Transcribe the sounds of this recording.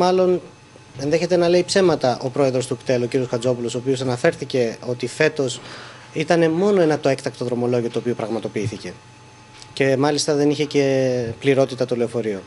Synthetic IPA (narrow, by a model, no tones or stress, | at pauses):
mɐlo̞n | e̞nðe̞çe̞t̪e̞nɐle̞ipse̞mɐt̪ɐʔo̞pɾo̞e̞ðɾo̞st̪ukt̪e̞luo̞ciɾio̞skɐd͡zo̞pulo̞soːpio̞sɐnɐfe̞ɾθice̞o̞t̪ife̞t̪o̞s | it̪ɐne̞mo̞no̞e̞nɐt̪oe̞kt̪ɐk̚t̪o̞ðɾo̞mo̞lo̞ʝio̞t̪uopiopɾɐɣmɐt̪o̞piiθice̞ | ce̞mɐlist̪ɐðe̞niçe̞ce̞pliɾo̞t̪it̪ɐt̪oleofo̞ɾio̞